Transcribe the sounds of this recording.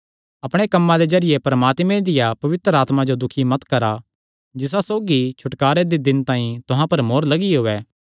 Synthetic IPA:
ɐpɽ̃ekɐmːãd̪ezɐɾɪjepɾɐmaːt̪mẽd̪ɪjapɐʋɪt̪ɾəaːt̪mad͡ʒod̪ʊkʰimɐt̪kɐɾa | d͡ʒɪs̬asoːɡit͡ʃʰʊʈkaːɾed̪ed̪ɪnt̪ãːĩt̪ʊɦãpɐɾmoːɾlɐɡiɦoːɛː

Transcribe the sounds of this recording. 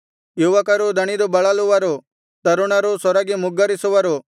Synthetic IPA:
juɦuʋakaɾod̪ʱɐɽ̃id̪obɐɭalʊʋaɾo | t̪ɐɾʊɽ̃aɾosɔɾaɡimʊɡaɾisoʋaɾo

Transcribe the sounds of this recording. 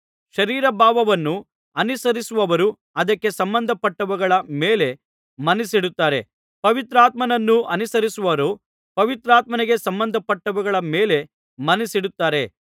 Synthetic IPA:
ʃɐɾiːɾɐbʱaːʋɐʋɐnːu | ɐnisɐɾisuʋɐʋɐɾu | ɐd̪ɐkːe̞sɐmbɐnd̪ʱɐpɐʈːɐʋɐɡɐɭɐmeːle̞ | mɐnisiɽut̪ːaːɾe̞̰ | pɐʋit̪ɾaːt̪mɐnɐnːuɐnisɐɾisuʋɐɐɾu | pɐʋit̪ɾaːt̪mɐneɡe̞sɐmbɐnd̪ʱɐpɐʈːɐʋuɡɐɭɐmeːle̞ | mɐnisiɽut̪ːaːɾe

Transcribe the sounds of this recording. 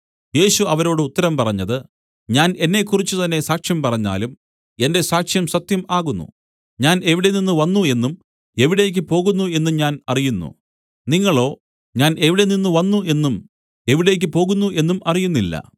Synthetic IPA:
je̞ːɕuɐʋɐɾo̞ːɽɨut̪ːɐɾɐmpɐrɐɲːɐðɨ | ɲaːne̞nːe̞kːurit͡ɕːut̪ɐnːe̞saːkʂjɐmpɐrɐɲːa̰ːlum | e̞nde̞saːkʂjɐmsɐt̪jɐmaːɣunːṵ | ɲaːne̞ʋiɽe̞ninːuʋɐnːue̞nːum | e̞ʋiɽe̞ːjk̬ʲːɨpo̞ːɣunːue̞nːuɲaːnɐrijunːṵ | niŋːɐɭo̞ː | ɲaːne̞ʋiɽe̞ninːuʋɐnːue̞nːum | e̞ʋiɽe̞ːk̬ʲːɨpo̞ːɣunːuʔe̞nːumɐrijunːilːɐ̰

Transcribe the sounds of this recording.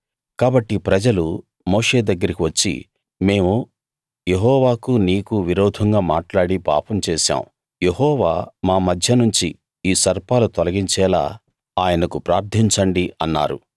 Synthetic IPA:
kaːbɐʈːipɾɐd͡ʒɐlu | moːʂeːd̪ɐɡːɐɾikiʋɐt͡ʃːḭ | me̞ːmu | je̞ɦɔːʋaːkuniːkuʋiɾɔːd̪ʱɐŋɡaːmaːʈlaːɽipa̰ːpɐmt͡ʃɛːʃa̰ːmu | jeɦɔːʋaːmaːmɐd̪ʱjɐnuɲt͡ʃi | iːsɐɾpaːlut̪ɔlɐɡiɲt͡ʃɛːla̰ː | aːjɐnɐkupɾaːɾt̪ʰiɲt͡ʃɐɳɖiʔɐnːa̰ːɾṵ

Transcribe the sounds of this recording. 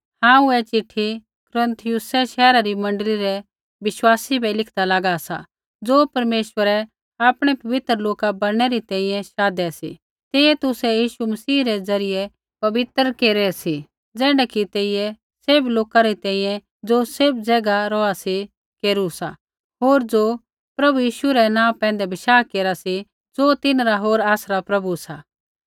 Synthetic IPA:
hãːũɛt͡ʃɪʈʰːi | kʊɾə̃nt̪ʰɪjʊsɛʃɛːɾaɾimɐ̃ɳɖəliɾɛ | ʋɪʃwaːsibʱɛlɪkʰd̪alaɡasa̰ | d͡zoːpɐɾmeːʃwəɾɛ | aːpɽ̃ɛpɐʋɪt̪ɾəloːkabɐɽɽ̃ɛɾit̪ɛ̃ːĩjɛ̃ʃaːd̪ɛsḭ | t̪eːɛt̪ʊsɛjiːʃumɐsiːɾɛd͡zɐɾɪjɛ | pɐʋɪt̪ɾkeːɾɛsi | d͡zɛːɽɛkit̪eːɪjɛ | sebloːkaɾit̪ɛ̃ːĩːjɛ̃ | d͡zosɪbd͡zɛːɡaɾɔasi | keːɾusa | ɦoːɾd͡zo | pɾɐbujiːʃuɾɛnãːpɛ̃ːn̆d̪ɛbɪʃaːkeːɾasi | d͡zoːt̪ɪnɾaɦoːɾaːsɾapɾɐbusa

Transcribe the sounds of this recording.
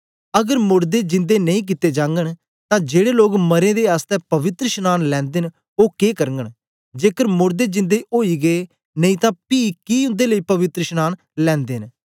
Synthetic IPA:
əɡəɾmʊɾd̪eːd͡ʒɪ̃nd̪eːnəĩːk̬ɪt̪eːd͡ʒãːŋɡəɳ | t̪ãːd͡ʒeːɽeːloːɡməɾẽːd̪eːaːst̪ɛːpəʋɪt̪ɾəʃnaːnlɛ̃ːnd̪en | oːkeːkəɾŋɡəɳ | d͡ʒeːkəɾmʊɾd̪eːd͡ʒɪ̃nd̪eːʔoːiːɡeː | nəĩːt̪ãːpiːkiːʊ̃nd̪eːləiːpəʋɪt̪ɾəʃnaːn | lɛ̃ːnd̪eːn

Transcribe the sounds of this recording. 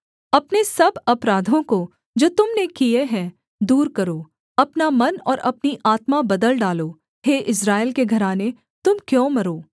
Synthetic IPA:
ɐpnesɐbɐpɾaːd̪ʱõko | d͡ʒoːt̪ʊmnekieɦɛ̃ | d̪uːɾkɐɾoː | ɐpnamɐnɔːɾʔɐpniʔaːt̪mabɐd̪əlɖaːloː | ɦeːʔɪs̬ɾaːɪlkeɡʱɐɾaːne | t̪ʊmkjõːmɐɾoː

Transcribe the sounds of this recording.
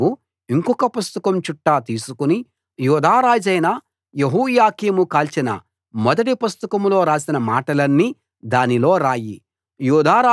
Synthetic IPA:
u | iŋkɔkɐpust̪ɐkɐmt͡ʃuʈːaːt̪iːsukuni | juːd̪ʱaːɾaːd͡ʒɐjnɐ | jeɦuːjaːkiːmukaːlt͡ʃinɐ̰ | mɔd̪ɐʈipust̪ɐkɐmlo̞ːɾaːsinɐmaːʈɐlɐnːi | d̪aːnilo̞ːɾaːji | juːd̪ʱaːɾaː

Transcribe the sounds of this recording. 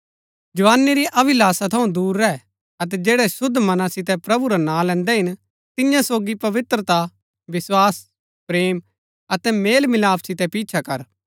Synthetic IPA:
d͡ʒɐʋaːnːiɾiʔɐbɪlaːsat̪ʰɐũd̪uːɾːɛ | ɐt̪̬ɛd͡ʒeːɽɛsʊd̪ʱːmɐnãsɪt̪ɛpɾɐbuɾanãːlɛ̃ːnd̪ɛɦɪn | t̪ɪjãsoːɡipɐʋɪt̪ɾət̪a | ʋɪswaːs | pɾeːm | ɐt̪ɛmeːlmɪlaːpʰsɪt̪ɛpiːt͡ʃʰakɐɾ

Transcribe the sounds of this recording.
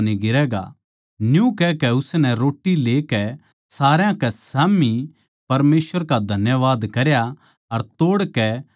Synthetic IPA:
niɡɪɾɛːɡa̰ | njũkɛkɛʊsnɛ̃ɾoːʈːileːkɛ | saːɾjãkɛsaːmi | pɐɾmeːsʋəɾkad̪ʱɐnjəʋaːd̪kɐɾja | ɐɾt̪oːɽkɛ

